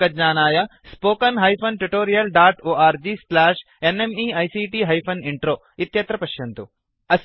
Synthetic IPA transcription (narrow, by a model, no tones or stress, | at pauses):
ɐdɲaːnaːjɐspoːkɐnɦɐːjpʰɐnʈuʈoːɾijɐlɖaːʈoːaːɾd͡ʒiːslaːʃ | enemiːɐːjsiːʈiːɦɐːjpʰɐniɳʈɾoː | it̪jɐt̪ɾɐpɐʃjɐnt̪u | ɐs